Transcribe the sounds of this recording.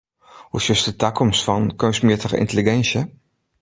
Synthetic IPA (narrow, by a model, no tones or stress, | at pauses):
husəstətakʰɔmsfɔnkøsmətəχə̰ʔɪ̰ntəliɡɛnsjə